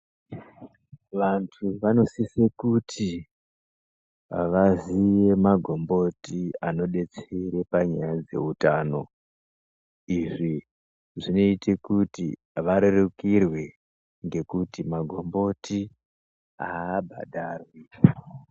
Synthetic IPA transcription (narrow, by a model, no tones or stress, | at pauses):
ʋantʰuʋano̞sisekutʰi | ʋaziʋe̞maɡʱo̞mbo̞tiano̞ɗe̞t͡seɾe̞paɲajad͡ze̞̰utaːno̞ | iʐi | ʐino̞itekutḭ | ʋaɾerekirwe̞ | ŋɡe̞kutimaɡʱo̞mbo̞ti | aːbʱa̰ɗʱarwika